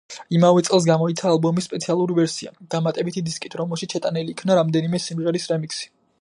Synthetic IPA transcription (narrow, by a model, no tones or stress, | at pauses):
imavɛt̪sʼɛlˠs̬ɡamɔit̪sʰaːlˠbɔmisːpʼɛt̪sʰialˠuɾivɛɾsia̰d̪̥amat̪ʼɛbit̪ʰid̪iskʼit̪ʰɾɔmɛlˠʃit̪ʃɛt̪ʼanɛliːkʰnaɾamd̪ɛnimɛsimʁɛɾisɾɛmiksi̥